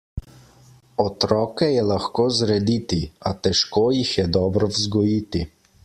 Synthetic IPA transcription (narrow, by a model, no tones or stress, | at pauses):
ɔt̪ɾɔːkɛjɛlaxkoːzɾɛd̪it̪iat̪ɛʃkoːjixjɛd̪ɔːbɾɔwzɡɔjiːt̪i